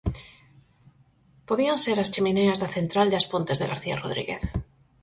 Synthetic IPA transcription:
poðianseɾast͡ʃimeneazðaθent̪ɾald̪aspont̪ezðeɣaɾθia̰roðɾḭɣḛθ

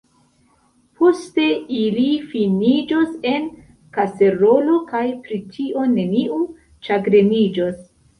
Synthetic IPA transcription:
pʰo̞ste̞ilifinid͡ʒose̞n | kase̞ɾo̞lo̞kajpɾitʰiʔo̞ne̞niʔu | t͡ʃaɡɾe̞nid͡ʒos

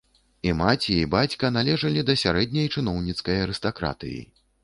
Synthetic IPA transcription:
imat͡sʲiibat͡sʲkɐnalʲɛʐɐlʲid̪ɐsʲaɾɛd̪̚ʲnʲɐjt͡ʂɨn̪ɔwnʲit̪skɐjɐɾɨst̪akɾa̰t̪ɨ̰jḭ

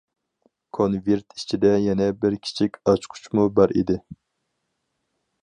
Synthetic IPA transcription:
kʰonveɾt̪ʰit͡ʃʰid̪ɛjɛnɛbɪɾkʲʰi̥t͡ʃʰikʲɑt͡ʃqʰʊ̥t͡ʃʰmubɑɾʔḭd̪ɪ

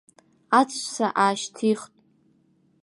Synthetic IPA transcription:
at͡sʰʼʃʼsaʔaːʃtʰiχtʼ

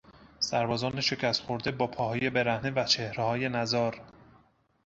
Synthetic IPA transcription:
sæɾbɒːzɒːneʃe̞cʰʲæst̪χoɾd̪e̞bɒːpʰɒːhɒːje̞be̞ɾæhnevæt͡ʃʰehɾehɒːje̞næzɒːɾ

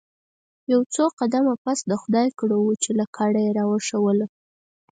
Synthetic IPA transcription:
jawt͡soqad̪amapasd̪əxʊd̪ɑjkɽowut͡ʃelakʰɑɽajeɾɑwəʂawəl

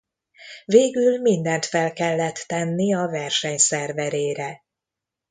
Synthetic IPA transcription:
veːɡylmind̪ɛnt̪fɛlkɛlːɛt̪ːɛnːiɒvɛrʃɛɲsɛrvɛɾeːɾɛ

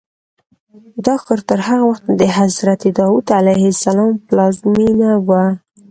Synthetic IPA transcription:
d̪ɑxkɑɾt̪əɾhaɣawaxt̪d̪əɦazɾat̪id̪ɑwud̪alajhɪsalɑmplɑzminawa

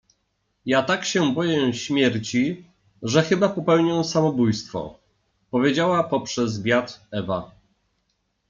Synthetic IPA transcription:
jat̪akɕɛbɔjɛɕmʲjɛɾt͡ɕi | ʐɛxɘbapɔpɛwɲɔ̃w̃samɔbujst̪fɔ̰ | pɔvʲjed͡ʑawapɔpʂɛzvʲjat̪ɛva

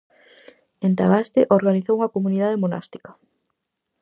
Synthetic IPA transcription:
ent̪aβast̪eʔoɾɣaniθowuŋɐkomuniðaðemona̰st̪i̥kḁ

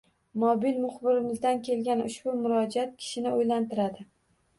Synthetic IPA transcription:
mɒbilmʊχbɪɾɪmɪzd̪ankʲʰe̞lɡʲanʊʃbʊmʊɾɒd͡ʒat̪̚kʲʰɪ̥ʃɪnɪojlant̪ɪɾad̪ɪ

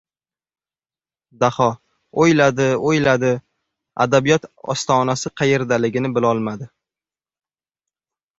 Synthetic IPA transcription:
d̪ahɒ | ojlad̪ɪojlad̪ɪ | a̰d̪abijɒt̪ɒ̰st̪ʰɒːnasɪqʰɑjeɾd̪alɪɡʲɪnɪbɪlɒlˠmad̪ɪ

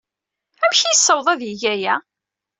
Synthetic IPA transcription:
æmçijsːəwðˤæðjiʝæjæ

